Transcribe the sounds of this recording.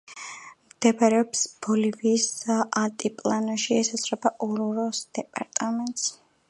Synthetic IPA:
md̪̥ɛbɾɛɔpsb̥ɔliviːsat̪ʼipʼlˠanɔʃiɛsasɾɛbaʔɔɾuɾɔsd̪̥ɛpʼaɾt̪ʼamɛnt̪ʼs

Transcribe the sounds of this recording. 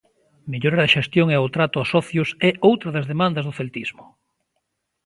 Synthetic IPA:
meʎoɾaɾðeʃest̪joŋeot̪ɾat̪ʊasɔθjʊsɛowt̪ɾɐðɐzðemãnd̪ɐzðʊθelt̪izmʊ

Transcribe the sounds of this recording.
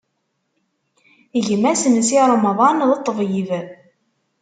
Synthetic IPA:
əʝəmæsənsiɾˤɑmɑðˤɑnðɑt̪ˤːəvjiv

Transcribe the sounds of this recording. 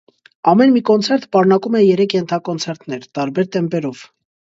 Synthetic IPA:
ɑmɛnmikɔnt͡sʰɛɾt̪pɑɾnɑkumɛjɛɾɛkʰjɛnt̪ʰɑkɔnt͡sʰɛɾt̪nɛɾt̪ɑɾbɛɾt̪ɛmpɛɾɔv̥

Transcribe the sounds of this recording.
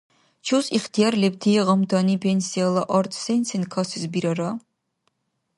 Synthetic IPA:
t͡ʃʰusiχt̪ʰijaɾlɛb̚t̪ʰiɛʁamd̪anipʰɛnsialˠaʔɔɾt̪ʰsɛnsʰinkʰasizbiɾaɾa

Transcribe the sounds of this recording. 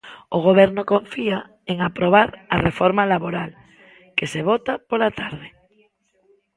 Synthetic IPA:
oɣ̞oβ̞ɛɾnʊkoɱfia | eŋapɾoβ̞aɾɐrefɔɾmalaβoɾal | keseβ̞ɔt̪apolat̪aɾðe

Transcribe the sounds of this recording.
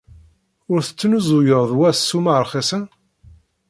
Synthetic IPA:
ʊɾθə̥t͡sːnuzʊjəʁðˤwæsːumaʕɾˤχæsæn

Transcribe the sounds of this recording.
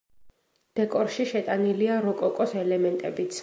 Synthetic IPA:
d̪̥ɛkʼɔɾʃiʃɛt̪ʼaniliaɾɔkʼɔkʼɔsɛlɛmɛnt̪ʼɛbit̪sʰ

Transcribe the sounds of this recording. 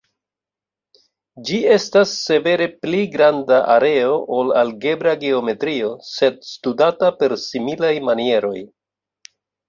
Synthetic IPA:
d͡ʒie̞stasːe̞ve̞ɾe̞pliɡɾandaʔaɾe̞o̞ʔolalɡe̞bɾaɡeo̞me̞tɾio̞se̞dstudatape̞ɾsimilajmanie̞ɾo̞j

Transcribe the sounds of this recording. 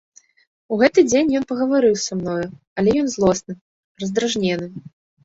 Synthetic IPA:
uɣɛt̪ɨd͡zʲenʲjɔnpɐɣɐvaɾɨwsamnɔju | ɐlʲɛjɔnzlˠɔsnɨ | rɐzd̪ɾaʐnʲɛnɨ

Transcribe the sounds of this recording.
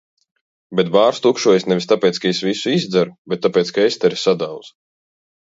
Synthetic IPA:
bɛt̪baːɾst̪ukʃuɔjesnɛvist̪apʲɛːt̪skaesvisuizd̪zɛɾubet̪ːapɛːt̪skaest̪ɛɾisad̪awd̪z̥

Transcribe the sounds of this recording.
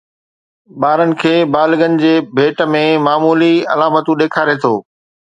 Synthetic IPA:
ɓaːɾənɪ̆kʰeːbaːlɡənɪ̆d͡ʑeːbʱeːʈə̆mẽmaːmuːliɐ̰laːmət̪ũɗeːkʰaːɾet̪ʰoː

